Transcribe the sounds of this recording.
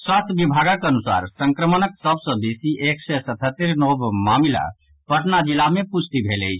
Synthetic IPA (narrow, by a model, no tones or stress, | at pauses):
swaːst̪ʰbibʱaɡakənusa̰ːɾsə̃ŋkɾəmənəksəbsə̃beːsiʔeksɛsət̪ʰət̪ːeɾnobmaːmila̰ | pəʈnad͡ʒilamẽput͡ʃʰt̪ibʱelḛi